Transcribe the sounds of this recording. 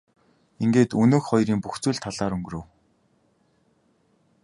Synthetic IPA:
iŋɡeːt̪ɵnoːxχɔjɾiːmpuxt͡suːɮt̪ʰaɮaːɾɵŋɡɵ̆ɾɵ̆w

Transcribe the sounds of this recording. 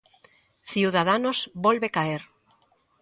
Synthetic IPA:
θiwðað̞anozbolβekaeɾ

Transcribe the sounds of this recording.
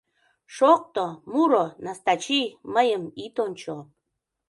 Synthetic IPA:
ʃoq̚t̪omuɾonast̪at͡ɕiməjəmit̪ont͡ɕo

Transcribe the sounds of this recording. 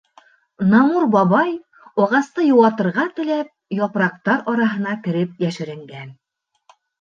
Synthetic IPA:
nɑmuɾbɒβɑj | ɒʁɑst̪ɤjŭwɑt̪ɤ̆ɾʁɑt̪ɘ̆læp̚jɒpɾɑq̚t̪ɑɾɒɾɑɦɤ̆nɑkɘ̆ɾɘp̚jæʃɘ̆ɾɘ̆ŋɡæn

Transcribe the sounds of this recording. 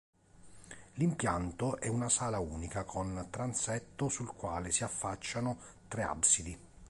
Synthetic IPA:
limpjant̪oʔɛunasaːlauːnikakʰont̪ɾansɛt̪ːʊsulkwaːlɪsiafːat͡ʃːanʊ | t̪ɾea̰bsid̪i

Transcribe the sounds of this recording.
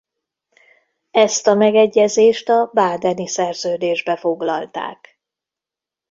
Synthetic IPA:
ɛst̪ɒmɛɡɛɟːɛzeːʃt̪ɒbaːd̪ɛnisɛrzøːd̪eːʒbɛfo̞ɡlɒlt̪a̰ːk

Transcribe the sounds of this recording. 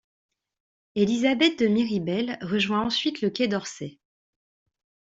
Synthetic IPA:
elizabɛt̪̚d̪əmiʁibɛlʁəʒwɛ̃ɑ̃sɥit̪ləkʲɛd̪ɔʁsɛ

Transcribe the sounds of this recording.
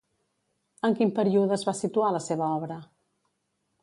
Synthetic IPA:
əŋkimpəɾiuðəzβasit̪ualəseβ̞əɔβɾə

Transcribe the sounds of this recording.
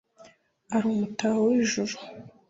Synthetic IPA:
aɾuːmutaowiʒuɾu̥

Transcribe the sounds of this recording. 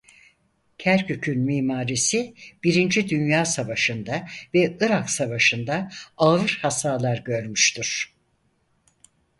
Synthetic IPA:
cʰæɾcʰøcʰynmiːmaːɾisib̥iɾind͡ʒid̪ynjaːsavaʃɯnd̪avɛɯɾaksavaʃɯnd̪aaɯɾhasaːlˠaɾɟø̞ɾmyʃt̪ʰyɾ̥

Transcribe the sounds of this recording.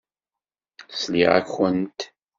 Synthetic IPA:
slḭʁæ̰kːənt̪

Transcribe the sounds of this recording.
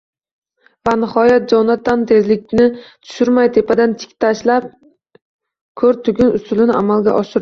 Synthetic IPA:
vanɪhɒjat̪̚d͡ʒɒnat̪ːant̪ʰe̞zlɪk̚ʲnɪt̪ʰʊ̥ʃɪɾmajt̪ʰe̞pad̪ant̪ʰɪ̥kʲt̪ʰaʃlap̚ | kʰɵɾt̪ʰʊɡʲɪnʊst̪ʊlɪnɪʔa̰malɡʲa̰ʔɒʃɪɾ

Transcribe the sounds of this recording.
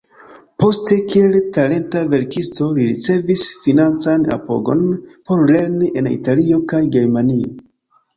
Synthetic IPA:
po̞ste̞kie̞ltale̞ntave̞ɾkisto̞liɾit͡se̞visfinant͡sana̰po̞̰ɡo̞̰npo̞ɾle̞ɾniʔe̞nḭtalio̞kajɡe̞ɾmanio

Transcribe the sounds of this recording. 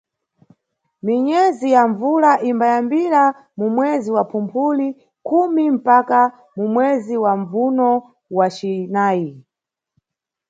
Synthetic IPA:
miɲɛzijaɱvulaʔimbajambiɾa | mumwɛziwapʰumpʰuli | kumim̩paka | mumwɛziwaɱvunɔ | wat͡ʃinaːi

